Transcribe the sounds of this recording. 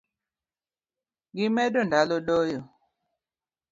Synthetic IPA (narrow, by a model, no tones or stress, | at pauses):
ɡimɛɗɔndaloɗojo